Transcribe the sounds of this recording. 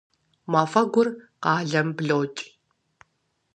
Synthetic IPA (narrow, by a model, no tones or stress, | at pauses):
maːfɐɡʷʊrqɑːɮɐmbɮowt͡ʃʼ